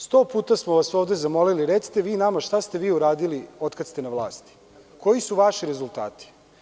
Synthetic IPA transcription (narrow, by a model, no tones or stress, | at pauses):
st̪o̞ːpuːt̪asmoʋaso̞ːʋd̪ezamo̞liliɾet̪si̥t̪e̞ʋiːnamaʃt̪ast̪e̞ʋiːuɾaːd̪ilio̞t̪kad̪st̪enaʋlˠa̰ːst̪i̥ | ko̞isuʋaʃiɾe̞zult̪a̰ːt̪i̥